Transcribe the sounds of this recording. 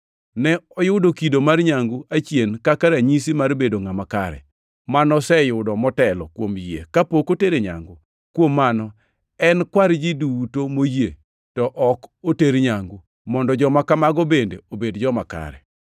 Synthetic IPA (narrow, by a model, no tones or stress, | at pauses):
nɛɔjʊdokidomarɲaŋɡuʔat͡ʃjenkakaɾaɲis̬imarbedoŋamakaɾɛ̰ | manɔsɛjʊdɔmɔtɛlɔkwomjḛkapokoteɾeɲa̰ŋɡʊ | kwomːanɔ | ɛnkwaɾd͡ʒidutomoje | tɔʔɔkoteɾɲaŋɡu | mɔndɔd͡ʒɔmakamaɡɔbendeobedd͡ʒɔmaka̰ɾɛ̰